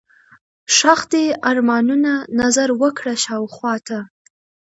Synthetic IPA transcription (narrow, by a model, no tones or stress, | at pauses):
ʂɑxd̪eaɾmɑnunanazaɾwəkɽaʃɑwxwɑt̪ʰa